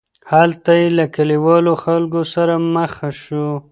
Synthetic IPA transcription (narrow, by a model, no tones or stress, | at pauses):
halt̪ajelakaliwɑloxalɡosaɾaməxaʃo